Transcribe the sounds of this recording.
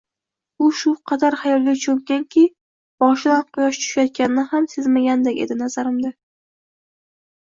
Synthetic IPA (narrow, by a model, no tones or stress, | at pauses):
ʊʃʊqʰɑd̪aɾhajɒlˠɡat͡ʃʰoŋkʲankʲɪ | b̥ɒʃɪlanqʰʊjɒʃt͡ʃ̪ʰʊ̥ʃajɒt̪̚kʲanɪnɪhamsezmaɡʲand̪akʲe̞̰d̪ɪnazaɾɪmd̪a